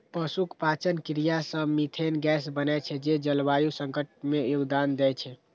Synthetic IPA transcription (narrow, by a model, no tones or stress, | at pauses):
pəsukpat͡ʃənkɾijasəmit̪ʰenɡɛsbənɛt͡ʃʰɛd͡ʒed͡ʒəlbajusəŋkəʈ̚mejuɡd̪and̪ɛt͡ʃʰɛ